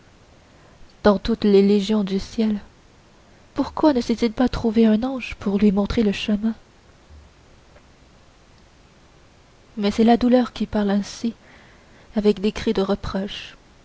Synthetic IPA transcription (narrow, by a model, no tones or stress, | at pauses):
d̪̥ɑ̃t̪ut̪leleʒjɔ̃d̪ysjɛl | puʁkwanəsɛt̪ilpat̪χuveɛ̃nɑ̃ːʒpuʁlɥimɔ̃t̪χeləʃəmɛ̃ | mɛsɛlad̪ulœːʁkʲipaʁlɛ̃si | avɛkd̪ekχid̪əʁəpχɔʃ